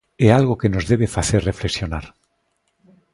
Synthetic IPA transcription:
ealɣoke̞no̞zðe̞βefaθe̞rre̞fle̞ksjo̞naɾ

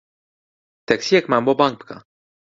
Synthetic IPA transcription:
t̪ɛksiɛkmambobaŋ̚pka̰

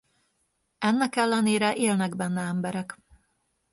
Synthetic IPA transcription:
ɛnːɛkɛlːɛneːɾɛʔeːlnɛɡbɛnːɛɛmbɛɾɛk

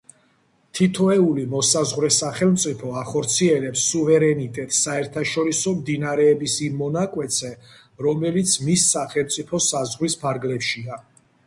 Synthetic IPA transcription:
t̪ʰit̪ʰɔɛulimɔsazʁwɾɛsaχɛlˠmt̪sʼipʰɔaχɔɾt̪sʰiɛlɛpsːuvɛɾɛnit̪ʼɛt̪ʼsaɛɾt̪ʰaʃɔɾisɔmd̪inaɾɛːbisimːɔnakʼwɛt̪sʰɛ | ɾɔmɛlit̪sʰmisːaχɛlˠmt̪sʼipʰɔsazʁɾispʰaɾɡlɛpʃia

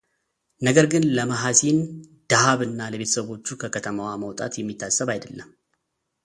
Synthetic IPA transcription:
nəɡəɾɡɨnləməɦasind̪̥aɦaβɨnːaləβet̪ə̥səβo̞t͡ʃːukʰəkʰət̪ʰəməwaməwt̪ʼa̰t̪jɛmːit̪ʰːasːəβajd̪əlːəmː

